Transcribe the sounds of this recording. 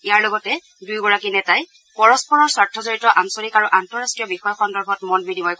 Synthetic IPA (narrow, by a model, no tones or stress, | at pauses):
ijaɹlɔɡɔtɛ | dujɡɔɹakinɛtaj | pɔɹɔspɔɹɔɹswaɹtʰːɔzɔɹitɔʔansolikaɹuʔantɔɹastɹijɔbixɔjɔxɔndɔɹbʱɔtmɔnbidʱimɔjk